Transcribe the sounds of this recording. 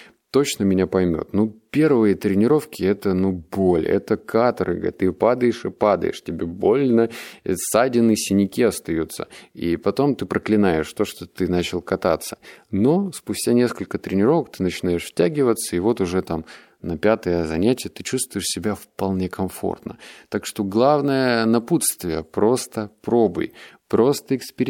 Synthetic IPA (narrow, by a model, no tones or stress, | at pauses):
t̪o̞t͡ɕnəmʲɪnʲapɐjmʲo̰t̪nupʲe̞rvɨjət̪ɾʲɪnʲɪɾo̞fkʲɪɛt̪ənubolʲɛ̰t̪əkʰat̪ɾɨ̰ɡ̰t̪ːɨpad̪əjɪʂɨpad̪ə̰jɪ̰ʂtʲɪbʲebo̞lʲnəɛ̰sadʲɪnːɨsʲɪnʲɪkʲiɐst̪ɐjut̪sːə̰ḭpɐt̪o̞mt̪ɨpɾəklʲɪnajɪʂt̪o̞ʂt̪ot̪ɨnat͡ɕɪlˠkɐt̪at̪sə̥no̞spʊsʲtʲanʲe̞skəlʲkət̪ɾʲɪnʲɪɾo̞vəkt̪ɨnət͡ɕɪnajɪʂftʲæɡʲɪvət̪səɪvo̞t̪ʊʐɛt̪am | nɐpʲat̪əjəzɐnʲætʲɪjət̪ɨt͡ɕust̪vʊjɪʂsʲɪbʲafpɐlˠnʲe̞kʰɐmfo̞̰rt̪nə̰t̪akʂt̪o̞ɡlˠavnəjənɐput̪st̪vʲɪjəpɾo̞st̪əpɾo̞bɨ̰jpɾo̞st̪əɪkspʲɪɾʲ